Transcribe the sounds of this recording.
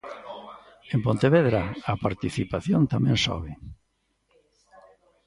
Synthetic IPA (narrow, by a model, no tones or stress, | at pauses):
empont̪eβeðɾaapaɾt̪iθipaθjont̪amɛ̃nsɔ̰βɪ